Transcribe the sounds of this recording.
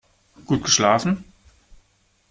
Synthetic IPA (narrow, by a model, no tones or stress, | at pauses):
ɡ̥uːt̚ɡ̥əʃlaːfn̩